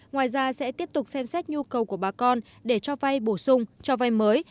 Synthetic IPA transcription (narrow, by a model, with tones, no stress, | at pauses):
ŋwaː˨˩jzaː˧sɛ̰˧˥t̪i˦˥əp̚t̪ʊ˨˩k͡p̚sɛ˧msɛ˦˥t̚ɲu˧kə˨˩wku˧˩əɓaː˨˩kɔ˧n | ɗe˧˩t͡ɕɔ˧va˧jɓo˧˩sʊ˧ŋ͡mt͡ɕɔ˧va˧jməː˨˦j